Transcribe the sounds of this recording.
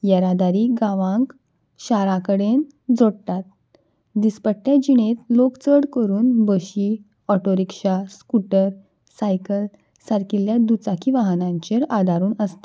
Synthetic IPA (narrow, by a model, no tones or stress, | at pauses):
jɛɾad̪aɾiːɡãʋãŋk | ɕaɾakəɽen | d͡zoɽt̪at̪̚ | d̪ispəʈʈ̪jad͡ʑiɽet̪lokt͡səɽkəɾuːnbəɕi | ɔʈoɾikɕaskuʈəɾ | sajkəl | saɾkiljad̪ut͡sakʰiʋaɦnãɲt͡ɕeɾad̪ʱaɾuːnəst̪e